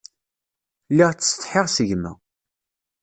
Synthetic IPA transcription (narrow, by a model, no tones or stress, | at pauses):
liʁt͡sːə̥sθħɪʁsəʝmæ̰